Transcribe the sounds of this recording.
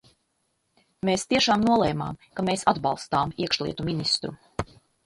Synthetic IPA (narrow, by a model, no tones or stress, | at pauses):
meːst̪iɛʃaːmnuɔlˠɛjma̰ːmkameːsad̪bɑlˠst̪aːmiɛkʃlˠḭɛt̪uminist̪ɾṵ